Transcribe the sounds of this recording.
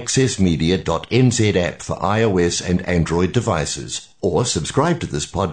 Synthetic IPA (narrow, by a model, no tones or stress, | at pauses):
ksɛsmiɾiɨdɔɾɛ̃nzɛɾæpfə̰˞ʔaɪoʊɛsɨ̃næ̰̃ndɹɔɪdɨvaɪsɨ̰z̥ | ə˞səb̥skɹaɪb̚tʰɨðɪspʰɑd̚